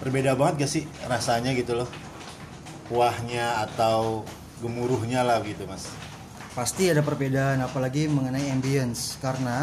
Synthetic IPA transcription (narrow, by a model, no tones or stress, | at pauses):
pərbedabaŋət̪̚ɡasɪrasaɲaɡit̪ulʊh | puahɲaːt̪aw | ɡəmuɾʊhɲalahbəɡit̪umas | past̪iadapərbedaːnapalaɡiməŋənaiɛmbiənskaɾəna